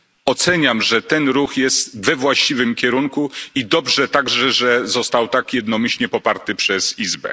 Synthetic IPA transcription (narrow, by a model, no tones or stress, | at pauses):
ɔt̪sɛɲamʐɛt̪ɛnɾuxjɛst̪vɛvwaɕt͡ɕivɘmkʲɛɾuŋkuid̪ɔbʐɛt̪aɡʐɛʐɛzɔst̪awt̪akjɛd̪nɔmʲiɕlɲɛpɔpaɾt̪ɘpʂɛzizbɛ̰